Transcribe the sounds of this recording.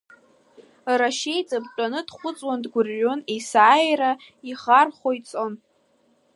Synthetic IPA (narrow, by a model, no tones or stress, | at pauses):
raʃe̞jt͡sʼabt͡ʃʼanɨdχʷʊt͡sʼwandɡʷʊrːonesaːjra | iχarχojt͡sʼo̞n